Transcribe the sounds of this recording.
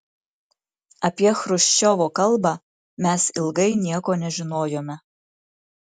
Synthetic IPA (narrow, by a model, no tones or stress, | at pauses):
ɐpʲiɛxɾʊʃʲt͡ʃʲoʋoːkɐlˠbɑː | mʲɛsɪlˠɡɐɪnʲiɛkoːnʲɛʒʲɪnoːjoːmʲɛ